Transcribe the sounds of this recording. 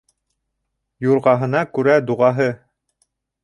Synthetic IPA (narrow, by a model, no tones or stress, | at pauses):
juɾʁɑɦɤ̆nɑkʉɾæd̪uʁɑɦɤ